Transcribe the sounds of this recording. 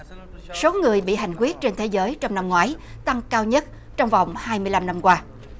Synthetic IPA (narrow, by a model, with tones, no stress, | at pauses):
so˨˦ŋɨ˨˩əjɓḭ˧˨ɦa̰˨˩˨jŋ̟k̬wi˦˥ət̚t͡ɕe˧nt̪ʰe˨˦zəː˨˦jt͡ɕɔ˧wŋ͡mna˧mŋwaː˨˦jt̪a˧ŋkaː˧wɲə˦˥t̚ | t͡ɕɔ˧wŋ͡mva˨˩wŋ͡mhaː˧jmɨ˧əla˧mna˧mkwaː˧